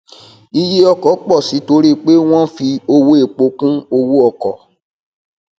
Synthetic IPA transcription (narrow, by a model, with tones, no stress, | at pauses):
i˧je˦ɔ˧kɔ˨˦k͡pɔ˦˨si˨˦to˧˦ɾi˦˨k͡pe˦w̃ɔ̃˦fi˧o˧wo˦e˧˨k͡po˧kũ˦o˧wo˦ɔ˧kɔ̰˨